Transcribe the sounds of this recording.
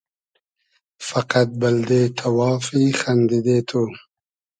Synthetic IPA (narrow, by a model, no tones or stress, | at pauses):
faqat̪̚bald̪et̪ʰawɑːfixand̪ɪd̪et̪ʰo